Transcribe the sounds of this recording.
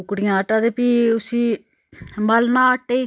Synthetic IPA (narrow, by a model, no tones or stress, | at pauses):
ʊkɽɪjãːəʈãːd̪eːpiːʊsĩː | məlnãːəʈːeiː